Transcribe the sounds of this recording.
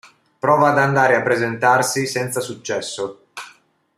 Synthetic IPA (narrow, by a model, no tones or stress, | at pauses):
pɾɔːvaːd̪and̪aːɾeapːɾezent̪arsisɛnt̪sasut͡ʃːɛsːo